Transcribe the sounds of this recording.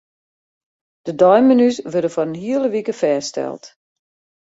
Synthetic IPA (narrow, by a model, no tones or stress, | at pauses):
d̥ədɔjmənysʋødəfɔrənɦiələʋikəfɛːstɛ̰lˠt